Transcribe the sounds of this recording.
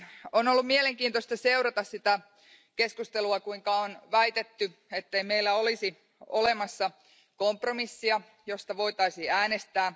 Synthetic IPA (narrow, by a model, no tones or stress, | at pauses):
onolːumieleŋkiːnt̪ost̪ɑseuɾɑt̪ɑssit̪æ | keskust̪eluɑkuiŋkɑonʋæit̪et̪ːyet̪ːeimeilːæolisi | olemɑsːɑ | kompromisːiɑ | jost̪ɑʋo̞it̪ɑisiːæːnest̪æː